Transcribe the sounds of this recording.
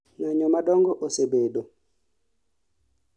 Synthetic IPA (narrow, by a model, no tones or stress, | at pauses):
naɲɔmaɗɔŋɡɔʔosebeɗo